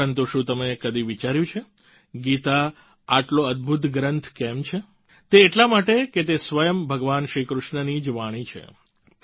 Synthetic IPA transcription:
ənt̪uʃũt̪əmekəd̪iʋit͡ʃaɾjũt͡ʃʰe | ɡit̪a | aʈloəd̪̚bʱut̪ɡɾənt̪ʰkɛmt͡ʃʰe | t̪eːʈlamaʈeket̪esʋəjəmbʱəɡʋanʃɾikɾʊʃɳənid͡ʒʋaɽ̃it͡ʃʰḛ

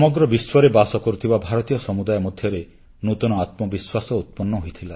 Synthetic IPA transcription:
ɔmɔɡɾɔbiswɔɾebasɔkɔɾut̪ʰibabʱaɾɔt̪ijɔsɔmud̪ajɔmɔd̪ʱjɔɾe | nut̪unɔat̪mɔbiswasɔut̪̚pɔnːɔɦojt̪ʰila

